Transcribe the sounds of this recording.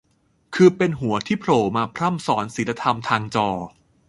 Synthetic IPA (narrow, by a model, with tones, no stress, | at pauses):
kʰɯː˧pe˧nɦu˨˩˦ɐt̪ʰiː˥˩pʰɾoː˨˩maː˧pʰɾa˥˩msɔː˩˦nsi˩˦la˧t̪ʰa˧mt̪ʰaː˧ŋt͡ɕɔː˧